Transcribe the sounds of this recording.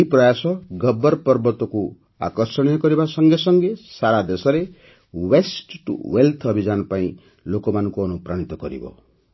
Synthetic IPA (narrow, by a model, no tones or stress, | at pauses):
ipɾɔjasɔɡɔbɔɾpɔɾbɔt̪ɔku | a̰kɔɾsɔɽ̃ijɔkɔɾibasɔŋɡesɔŋɡesaɾad̪esɔɾe | wesʈʈṵwelt̪ʰɔbʱid͡ʒanɔpaĩ | lokɔmanɔŋkuɔnupɾaɽ̃it̪ɔkɔɾḭbɔ̰